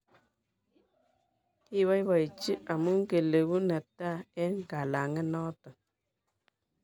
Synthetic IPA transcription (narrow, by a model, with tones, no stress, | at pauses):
i˦βa˦jba˨i˨t͡ʃi˦ʔa˨mu˦ŋ˦ke˨le˨ɡu˦na˨ta˦ɛ˦ŋ˦ka˨la˨ŋɛ˦nɔ˦tɔ˨